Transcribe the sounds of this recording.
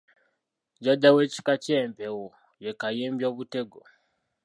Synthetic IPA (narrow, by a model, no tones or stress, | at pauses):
ɟadawe̞ːci̥kace̞ːmpewo | je̞kajeːmbjoːβute̞ɡo